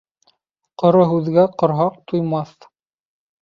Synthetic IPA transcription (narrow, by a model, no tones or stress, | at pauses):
qŏɾoɦʉðɡæqŏɾɦɑq̚t̪ujmɑθ